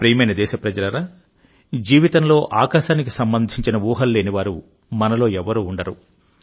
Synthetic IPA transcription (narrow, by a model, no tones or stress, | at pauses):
pɾijmɐjnɐd̪ɛːʃɐpɾɐd͡ʒɐlɐɾaː | d͡ʒiːʋit̪ɐnlo̞ːʔaːkaːʃaːnik̬i̥sɐmbɐnd̪ʱiɲt͡ʃinɐʋuːɦɐlːe̞ːniʋaːɾu | mɐnɐlo̞ːɛʋɐɾuːɳɖɐɾu